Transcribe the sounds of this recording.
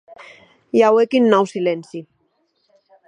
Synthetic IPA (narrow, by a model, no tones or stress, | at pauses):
jawekinːɔwsilensi